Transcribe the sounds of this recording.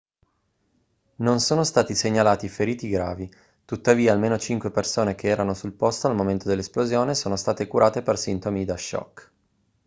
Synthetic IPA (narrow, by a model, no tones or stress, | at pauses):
nonsoːnost̪aːt̪iseɲːalaːt̪ifeɾiːt̪iɡɾaːvi | t̪ut̪ːaviːaːlmeːnot͡ʃiŋkwepersoːnek̟eɛːɾanosulpost̪oalmoment̪od̪elːesplozjoːnesoːnost̪aːt̪ekuɾaːt̪epersint̪omid̪aʃːɔ̰k